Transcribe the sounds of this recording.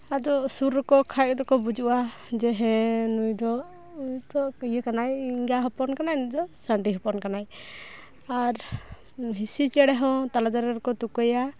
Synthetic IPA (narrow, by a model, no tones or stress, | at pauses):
ad̪ɔsuɾɔkɔkʰajʔ̚d̪ɔkɔbud͡ʒuʔa | d͡ʒɛɦɛ̃nujd̪ɔ | t̪ɔkəjəkanajiŋɡaɦɔpɔnkanajnud̪ɔsaɳɖiɦɔpɔnkanaj | aɾ | ɦisit͡ʃɛɽɛɦɔ̃t̪alad̪aɾɛɾɔkɔt̪ukɔja